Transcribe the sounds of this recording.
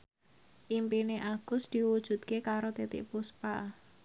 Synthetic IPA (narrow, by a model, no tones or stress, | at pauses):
ʔimpineʔaɡ̥ʊ̤sd̪̥iwud̥ʒ̥ṳt̪̚kekaɾot̪it̪ɪ̰ʔpuspa